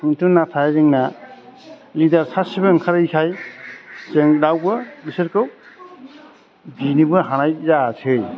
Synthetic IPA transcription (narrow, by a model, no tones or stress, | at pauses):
ŋtʰɯnatʰajziŋna | lidaɾsʰasibɯŋkʰaɾikʰaj | seŋdawbɯbiseɾkɯw | binibɯɦanajzatʰɯj